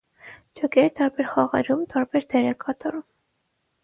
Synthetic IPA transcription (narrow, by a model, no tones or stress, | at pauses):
d͡ʒɔkɛɾt̪ɑɾbɛɾχɑʁɑ̰ɾumt̪ɑɾbɛɾd̪ɛɾɛkɑt̪ɔɾum